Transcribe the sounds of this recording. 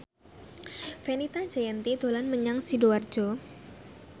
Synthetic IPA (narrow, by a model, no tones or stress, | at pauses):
fenit̪ḁd͡ʒajɛnt̪id̪olanməɲaŋsidowar̥d͡ʒo